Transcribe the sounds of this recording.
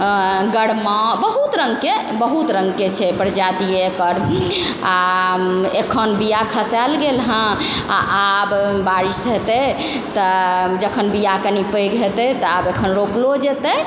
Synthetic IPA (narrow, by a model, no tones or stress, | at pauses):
ɡəɽmabəɦut̪ɾəŋɡke | bəɦut̪ɾə̃ŋɡket͡ʃʰɛpəɾd͡ʒat̪iekəɾa | ekʰənbijakʰəsɛlɡelɦə̃a̰ʔabbaɾisɦet̪ɛ | t̪ɔd͡ʒəkʰənbijakənipəɡɦet̪ɛt̪ɔabekʰənɾoplod͡ʒet̪ə